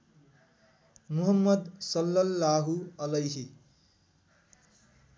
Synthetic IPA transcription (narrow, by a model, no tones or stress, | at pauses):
muɦɐmːʌd̪sʌlːʌlːaːɦuɐlɐjɦi